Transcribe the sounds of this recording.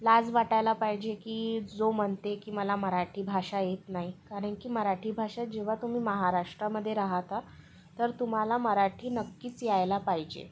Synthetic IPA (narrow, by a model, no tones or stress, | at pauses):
lad͡zʋaʈajlapaɦid͡ʑekiːd͡zom̤əɳt̪ekiːməlaməɾaʈʰiːbʱaʂajet̪naɦikaɾəɳkiːməɾaʈʰiːbʱaʂat̪̚d͡ʑeʋ̤at̪um̤iːməɦaɾaʂʈɾaməd̪ʱːjeɾaɦat̪a | t̪əɾt̪um̤alaməɾaʈʰiːnəkːiːt͡sjajlapaɦid͡ʑḛ